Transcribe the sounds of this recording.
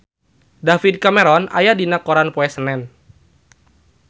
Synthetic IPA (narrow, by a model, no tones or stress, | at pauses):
dafid̚kamɛɾɔna̰jadinakɔɾanpɔɛsənɛn